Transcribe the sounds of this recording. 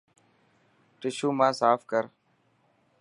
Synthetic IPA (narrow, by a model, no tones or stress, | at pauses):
ʈɪʃuːmãːsaːfkəɾ